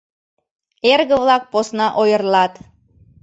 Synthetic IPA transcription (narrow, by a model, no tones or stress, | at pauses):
erɣə̆βlɑk̚posnɑʔojərlɑt̪